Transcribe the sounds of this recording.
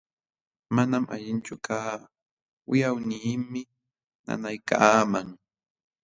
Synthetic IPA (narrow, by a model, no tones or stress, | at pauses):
manama̰ʎɪnt͡ʃʊkʰaː | wɪjawniːmmɪ | na̰najkaːmaŋ